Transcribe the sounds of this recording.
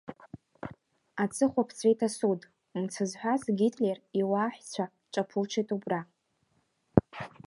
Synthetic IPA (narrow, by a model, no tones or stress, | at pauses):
at͡sʰʼɨχʷapʰt͡sʰejtʰasudʼ | umt͡sʰɨzħʷᶣazɡʲitʰʼleriwaːħʷᶣt͡sʷʰa | t͡ʃʼapʰɨlt͡ʃʰejtʼubra